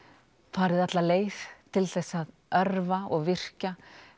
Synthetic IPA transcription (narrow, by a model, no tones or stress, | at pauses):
faːɾɪðat̪laleːjft̪ʰɪlθɛsːað | œɾvaɔɣvɪr̥ca